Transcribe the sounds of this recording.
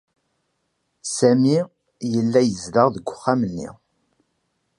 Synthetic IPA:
sæmi | jəlːæjəzləʁðəɡʷːʊ̥χːamənːḭ

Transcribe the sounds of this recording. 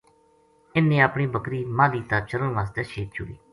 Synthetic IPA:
ɪnːẽːaːpɳiːbəkɾiːmãːliːt̪aːt͡ʃəɾəɳʋaːs̬t̪eːʃʰeːt̪̚t͡ʃʊ̰ɽḭː

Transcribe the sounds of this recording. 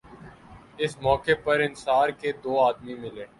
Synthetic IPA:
ɪsmɔːkepɐɾɪ̃nsaːɾked̪oːaːd̪mimɪleː

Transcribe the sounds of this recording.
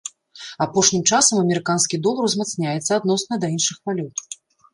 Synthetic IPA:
apɔʂnʲimt͡ʂasɐmɐmʲɛɾɨkanskʲid̪ɔlˠɐɾwzmat̪snʲajɛt̪sːɐːd̪nɔsnɐd̪ɐinʂɨxpalʲɔt̪

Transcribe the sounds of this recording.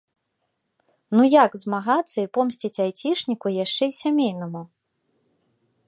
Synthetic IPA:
nujaɡzmaɣat̪sːɐipɔmsʲt͡sʲit͡sʲajt͡sʲiʂnʲikujaʂt͡ʂɛisʲamʲejnɐmu

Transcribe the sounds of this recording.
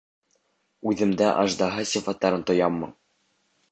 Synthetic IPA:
ʉðɘ̆md̪æʔɑʒd̪ɑɦɤsʲifɑt̪ːɑɾɤnt̪ŏjɑmːɤ̰

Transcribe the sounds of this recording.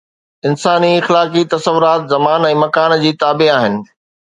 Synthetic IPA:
ɪnsaːniɪxlaːkit̪ɐsəʋʊɾaːt̪zɐmaːnɛ̃ːmɐkaːnd͡ʑiːt̪aːbiaːɦɪnɪ̆

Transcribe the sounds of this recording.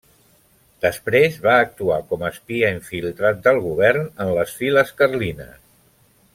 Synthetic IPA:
d̪̥əspɾezβaək̚t̪uakɔməspiəiɱfilˠt̪ɾat̪̚d̪əlˠɣ̞uβ̞ɛɾnənləsfiləskərlinə̰s

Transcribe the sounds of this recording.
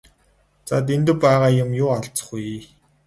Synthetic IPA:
t͡sa̰t̪̬ent̪ɘ̆pæːʁaːjʊ̆mjʊːaɬt͡sə̥̆χuj

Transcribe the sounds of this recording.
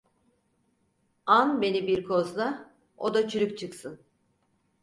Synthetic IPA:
anbe̞nibiɾkʰo̞zlˠa | od̪at͡ʃʰyɾykt͡ʃʰɯksɯn

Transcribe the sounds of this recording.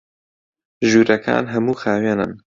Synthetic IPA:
ʒuːɾɐkʰa̰ːnɦɐmuːxaːweːnɨ̰n

